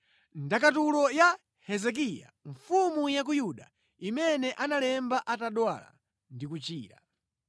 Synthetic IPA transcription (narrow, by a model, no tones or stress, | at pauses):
ndakatulɔja | hɛzɛk̬ija̰ɱfumujak̬ujuɗa̰ | imɛnɛʔanalɛmbaʔataɗwa̰la̰ | ndikut͡ʃiːɾa̰